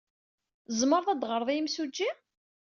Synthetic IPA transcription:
zˤməɾðˤæd̪ʁəɾˤðˤimsud͡ʒːi

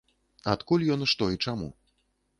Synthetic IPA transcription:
at̪kulʲjɔnɨʂt̪ɔit͡ʂamṵ

